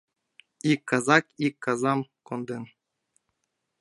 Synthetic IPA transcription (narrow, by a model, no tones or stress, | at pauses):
ikːɑzɑkikːɑzɑmkond̪en